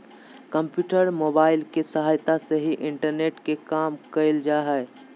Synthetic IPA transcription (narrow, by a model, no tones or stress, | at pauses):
kəmpjuːʈəɾmobaːɪlkesəɦaːjt̪aseɦiʔɪɳʈəɾneʈkekaːmkəɪld͡ʒaɦɛ